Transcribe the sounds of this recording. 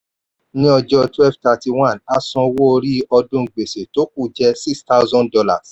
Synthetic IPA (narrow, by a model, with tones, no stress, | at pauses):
nĩ˦ɔ˧d͡ʒɔ˧twɛ˦˨fta˧ti˧wã˦˨na˦sɔ̃˧wo˦o˧ɾi˦ɔ˧dũ˦˨ɡ͡be˨se˨to˨˦k̚u˦˨d͡ʒɛ˧si˦ksta˦ʊ˦zɔ̃˦ndɔ˧la̰˨s